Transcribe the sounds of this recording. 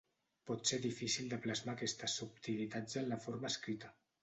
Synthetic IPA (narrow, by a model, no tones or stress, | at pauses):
pɔt̪seðifisilˠd̪əplazmakɛst̪əsup̚t̪ilit̪ad͡zənləfoɾməskɾit̪ə